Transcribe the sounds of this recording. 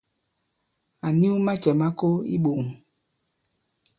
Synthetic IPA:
a˨ni˦u˦ma˦t͡ʃɛ˨ma˦ko˦ḭ˦ɓo˨m˨

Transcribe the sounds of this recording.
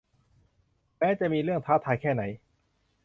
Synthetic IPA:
mɛː˦˥t͡ɕɛ˨˩miː˧ɾɯ˥˩əŋt̪ʰaː˦˥t̪ʰaː˧jkʰɛː˥˩na˩˦j

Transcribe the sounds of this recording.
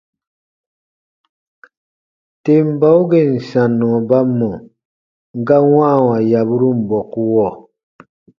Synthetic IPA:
te˨m̩˦ba˦u˦ɡe˦˨n̩˨sa˨nːɔ̃˨ba˦mːɔ̃˨ | ŋ˦ɡa˦wã˦˨wa˨ja˨bu˦ɾu˦m̩˨bɔ˨ku˦wɔ˦˨

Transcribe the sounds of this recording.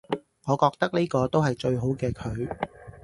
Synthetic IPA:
ŋɔː˨˧kɔː˧k̚t̪ɐ˥k̚ne˥kɔː˧t̪o˥wɦɐ˨jt͡ʃɵ˧ɥɦo˨˥wkɛː˧kʰɵ˨˧ɥ

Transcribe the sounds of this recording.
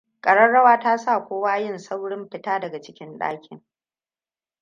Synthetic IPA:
kʼɐ˨ɽɐ˦nɽɐ˦waː˦taː˦sa˦˨kʷoː˦waː˦jɪ˦˨nsa˦wɽɪ˦mɸɪ˦taː˦dɐ˨ɡa˨t͡ʃɪ˦kʲɪ˦nɗa̰ː˦kʲɪ̰˨ŋ

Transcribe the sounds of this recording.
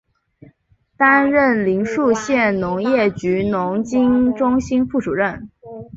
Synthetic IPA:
t̪a˥nɻə˥˩nli˧˥ŋʂu˥˧ɕjɛ˥˩nnʊ˧˥ŋjɛ˥˩t͡ɕy˧˥nʊ˧˥ŋt͡ɕi˥ŋʈ͡ʂʊ˥ŋɕi˥nfu˥˩ʈ͡ʂu˨˩ɻə˥˩n

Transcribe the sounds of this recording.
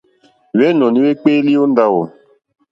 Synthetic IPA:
wɛ˦nɔ˨ni˦we˦k͡pe˦li˦o˦nda˦wo˨

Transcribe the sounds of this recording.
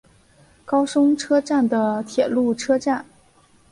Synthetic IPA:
kɑ˥ʊʂʊ˥ŋʈ͡ʂʰɤ˥ʈ͡ʂa˥˩nd̪ə˩t̪ʰjɛ˨˩lu˥˩ʈ͡ʂʰɤ˥ʈ͡ʂa˥˩n

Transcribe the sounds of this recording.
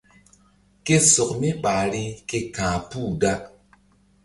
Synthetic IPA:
ke˦so˨kmi˦ɓa˨ɾi˦ke˧kãː˨pu˦˨da˦k

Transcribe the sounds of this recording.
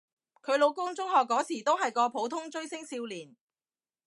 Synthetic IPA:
kʰɵ˨˧ɥlo˨˧wkʊ˥ŋt͡sʊ˥ŋɦɔː˨kːɔː˨˥t͡sʰiː˨˩t̪o˥wɦɐ˨jkɔː˧pʰo˨˥wt̪ʰʊ˥ŋt͡sɵ˥ɥsɪ˥ŋsiː˧wliː˨˩n

